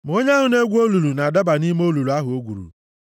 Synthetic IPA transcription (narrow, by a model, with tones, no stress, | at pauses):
m˨o˦ɲa˦ɦʊ˨ne˦ɡʷo˦lu˨lu˨na˨a˨da˦ba˨ni˦m˦o˦lu˨lu˨a˦ɦʊ˨o˦ɡʷṵ˨ɾṵ˨